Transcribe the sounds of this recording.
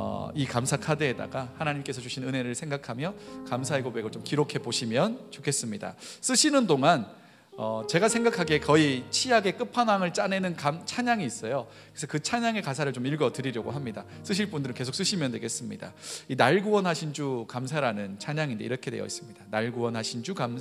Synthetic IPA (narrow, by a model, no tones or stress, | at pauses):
ʌ̰ikamsʰakʰadeːda̰ɡahanaɲimk͈e̞sʰʌt͡ɕuɕʰinɯne̞ɾɯɭsʰeŋɡakʰamjʌkamsʰaeɡobe̞ɡɯɭt͡ɕomkiɾokʰe̞boɕʰimjʌnt͡ɕokʰe̞s͈ɯmɲida̰s͈ɯɕʰinɯndoŋan | ʌt͡ɕe̞ɡasʰe̞ŋɡakʰaɡe̞kʌit͡ɕʰiaɡe̞k͈ɯpʰanaŋɯɭt͡ɕ͈ane̞nɯnkamt͡ɕʰaɲaŋiːs͈ʌjo | kesʰʌkɯt͡ɕʰaɲaŋe̞kasʰaɾɯɭt͡ɕomiɭɡʌtɯɾiɾjʌɡoɦamɲida̰s͈ɯɕ̬ʰiɭp͈undɯɾɯnkesʰo̥k̚s͈ɯɕʰimjʌndweɡe̞s͈ɯmɲḭda̰inaɭɡuʌnɦaɕʰind͡ʑukamsʰaɾanɯnt͡ɕʰaɲaŋinde̞̰iɾʌkʰe̞dwe̞jʌ̰is͈ɯmɲid̥anaɭɡuwʌnɦaɕʰind͡ʑukam